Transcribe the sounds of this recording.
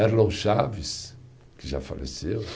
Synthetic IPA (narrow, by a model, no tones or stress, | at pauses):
ɛɾlõʃavɪs | kɪʒa̰fa̰lḛsew